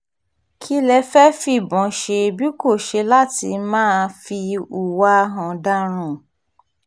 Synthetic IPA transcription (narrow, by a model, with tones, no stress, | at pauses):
kʰi˦lɛ˧fɛ˦fi˦˨bɔ̃˨˦ʃe˧bi˦ko˦˨ʃe˧la˦tḭ˧mãː˦˧fi˧u˨wa˦ɦã˨da˦ɾ̃ũ˦˨